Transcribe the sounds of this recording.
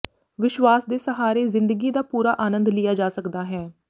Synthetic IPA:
ʋɪʃʋaːsd̪eːsəɦaːɾeːzɪnd̪əɡiːd̪aːpuːɾaːʔaːnə̃nd̪lɪjaːd͡ʒaːsəkd̪aːɦɛː

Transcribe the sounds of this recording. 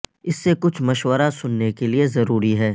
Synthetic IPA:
ɪsːekʊt͡ʃʰmɐʃwəɾasʊnːekeliezɐɾuːɾiɦɛː

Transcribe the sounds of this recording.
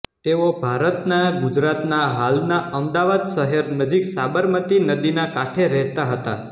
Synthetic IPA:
t̪eobʱaɾət̪naɡud͡ʒɾat̪naɦalnaʔəmd̪aʋad̪ʃəɦeɾnəd͡ʒiksabəɾmət̪inəd̪inakaʈʰeɾɛɦt̪aɦət̪a̰

